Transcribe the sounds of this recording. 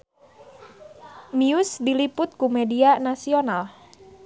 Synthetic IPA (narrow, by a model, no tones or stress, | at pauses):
miʊsdilipʊt̪̚kumedianasional